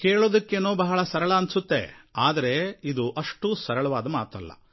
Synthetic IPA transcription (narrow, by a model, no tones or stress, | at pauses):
keːɭoːd̪ɐkːenoːbɐɦɐɭɐsɐɾɐɭɐɐnsut̪ːḛaːd̪ɐɾe̞id̪uʔɐʂʈusɐɾɐɭɐʋaːd̪ɐmaːt̪ɐ̰lːɐ̰